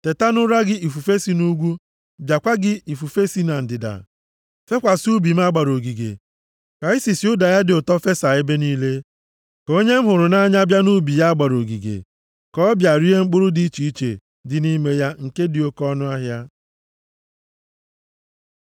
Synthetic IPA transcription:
te˨ta˦nʊ˦ɾa˦ɡɪ˦i˨fu˨fe˦si˨nu˦ɡʷu˦ | bja˨kʷa˦ɡɪ˦i˨fu˨fe˦si˦na˨n̩˨dɪ˨da̰˨ | fe˦kʷa˨su˦bi˨m̩˦a˦ɡ͡ba˨ɾo˨ɡi˨ɡḛ˨ | ka˨i˦si˨si˨˦ʊ˦da˨ja˦dɪ˨ʊ˨tɔ˦fe˦sa˨e˦be˦niː˦le˦ | ko˦ɲe˦m̩˦ɦʊ˨ɾʊ˨na˦ɲa˦bja˦nu˦bi˨ja˦ɡ͡ba˨ɾo˨ɡḭ˨ɡḛ˨ | kɔ˦bja˨ɾi˦e˦ŋ͡m̩˦k͡pʊ˦ɾʊ˦di˦i˦t͡ʃi˨i˦t͡ʃḛ˨ | dɪ˨ni˦me˦ja˦ŋ̩˨ke˦dɪ˨o˦kɔ˦nʊ˦a˦ɦja˦

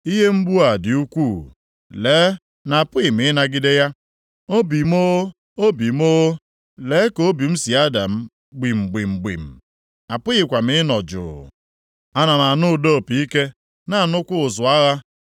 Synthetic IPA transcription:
i˦ɦe˦ŋ͡m̩˦ɡ͡bu˦a˨dɪ˨u˦kʷu˦˨ | leː˨˦ | na˨a˨pʊ˦ɣɪ˨m̩ɪ˨˦na˨ɡɪ˦de˦ja˦ | o˦bi˨m˦o˦ | o˦bi˨m˦o˦o˦ | leː˨˦ko˨˦bi˨m̩˦si˨a˦da̰˨m̩˦ | ɡ͡bi˨ŋ͡m̩˨ɡ͡bi˨ŋ͡m̩˨ɡ͡bḭ˨m̩˨ | a˨pʊ˦ɣɪ˨kʷa˨mɪ˦nɔ˨d͡ʒʊ̰˨ | a˦na˨na˨nʊ˦ʊ˨do˦˨pi˨˦i˦ke˦ | na˨a˨nʊ˦kʷʊ˦ʊ˨zʊ˨a˦ɣa˦

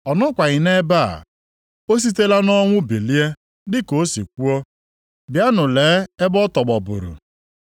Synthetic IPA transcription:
ɔ˨nɔ˦kʷa˨ɣɪ˨ne˦ba̰˦˨ | o˦s̬i˦te˦la˦nɔ˦ŋʷʊ˦bi˨li˦e˦ | dɪ˦ko˨˦sḭ˨kʷu˦ɔ˦ | bja˦nʊ˨leː˨˦e˦bɔ˦tɔ˨ɡ͡bɔ˨bʊ̰˨ɾʊ̰˨

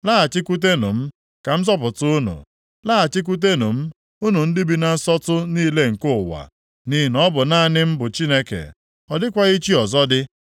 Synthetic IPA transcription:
laː˦a˨t͡ʃɪ˦ku˦t̬e˦nṵ˨m̩˦ | ka˨m̩˦z̬ɔ˦p̬ʊ˨tʊ˦ʊ˦nṵ˨ | laː˦a˨t͡ʃɪ˦k̬u˦t̬e˦nṵ˨m̩˦ | u˦nu˨n̩˦dɪ˦bi˦na˨˦sɔ˦tʊ˦niː˦le˦ŋ̩˨kʊ˦˨wa̰˨ | ni˦˨nɔ˦bʊ˨na˦˨nɪ˦m̩˦bʊ˨t͡ʃi˦ne˦kḛ˨ | ɔ˨dɪ˦kʷa˦i˦t͡ʃi˦ɔ˨zɔ˦dɪ˦

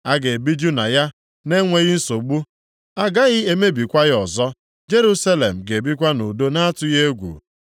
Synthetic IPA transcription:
a˦ɡe˨bi˦d͡ʒu˦na˨ja˦ | ne˦ŋʷe˦ɣɪ˦n̩˦so˨ɡ͡bu˦ | a˦ɡa˦ɣɪ˦e˦me˦bi˨kʷa˦ɣɪ˦ɔ˨zɔ˦ | d͡ʒe˦ɾu˦sa˦le˨m̩˨ɡe˨bi˦k̬ʷa˦nu˨do˦na˦tʊ˦je˦ɡʷṵ˨

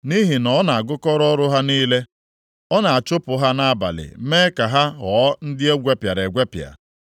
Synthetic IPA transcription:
ni˦ɦi˨nɔ˨˦na˨a˨ɡʊ˦kɔ˦ɾɔ˦ɾʊ˦ɦa˦niː˦le˦ | ɔ˦na˨a˨t͡ʃʊ˦pʊ˨ɦa˦na˦a˦ba̰˨lɪ̰˨meː˦ka˨ɦa˦ɦɔː˨˦n̩˦dɪ˦e˦ɡʷe˦pja˨ɾe˨ɡʷe˦pja̰˨

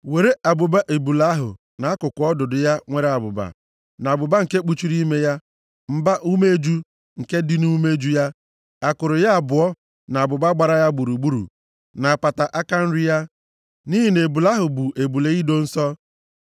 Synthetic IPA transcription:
we˨ɾe˦a˨bʊ˨ba˦ʔe˨bu˨la˦ɦʊ̰˨ | na˨˦kʊ˨kʊ˨˦ɔ˦dʊ˨dʊ˨ja˦ŋʷe˦ɾe˦a˨bʊ̰˨ba̰˨ | na˨bʊ˨ba˦ŋ̩˨ke˦k͡pu˦t͡ʃi˦ɾi˦me˦ja˦ | m̩˦ba˦ʔu˦me˦e˦d͡ʒu˦ | ŋ̩˨ke˦di˦nu˦me˦e˦d͡ʒu˦ja˦ | a˨kʊ˨ɾʊ˨ja˦a˨bʊ˨ɔ˦ | na˨a˨bʊ˨ba˦ɡ͡ba˨ɾa˦ja˦ɡ͡bu˨ɾu˨ɡ͡bu˦ɾṵ˨ | na˨a˨pa˨ta˨ʔa˦ka˦n̩˦ɾɪ˦ja˦ | ni˦ɦi˨ne˨bu˨la˦ɦʊ˨bʊ˨ʔe˨bu˨le˨i˦do˦n̩˦sɔ˦

